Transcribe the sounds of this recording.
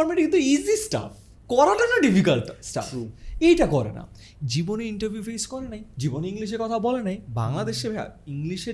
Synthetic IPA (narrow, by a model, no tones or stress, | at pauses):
ɔɾmẽɳʈkint̪uizisʈa̰f | kɔɾaʈaʈaɖifikalʈsʈa̰fejʈakɔɾḛna̰ | d͡ʑiboneiɳʈəɾbʱjupʰejskɔɾenajd͡ʑiboneiŋliʃ̬eɾkɔt̪ʰabɔlenajba̰ŋlad̪eʃebʱa̰iŋliʃe